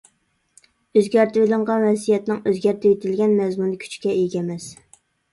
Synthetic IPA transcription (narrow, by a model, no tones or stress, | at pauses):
øzɡʲæɾt̪ylˠɪɴʁɑnwɛsijɛt̪nɪŋøzɡʲæɾt̪ʰɪt̪ʰɪlɡʲɛnmɛzmunɨkʲʰy̥t͡ʃkʲɛʔeɡʲɛmɛs